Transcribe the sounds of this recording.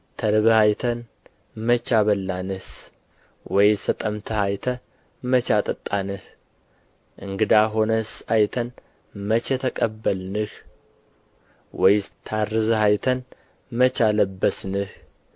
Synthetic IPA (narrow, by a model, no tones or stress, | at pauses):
t̪ʰəɾɨβəhajt̪ʰən | mət͡ʃaβəlːanɨs | wɔjsət̪ʼəmt̪ʰəhajt̪ʰə | mət͡ʃat̪ʼət̪ʼːanɨh | ʔɨŋɡɨd̪aɦo̞nəsʔajt̪ʰən | mət͡ʃɛt̪ʰəkʼəbːəlnɨh | wɔjt̪ʰarːɨzhajt̪ʰən | mət͡ʃaləbːəsnɨh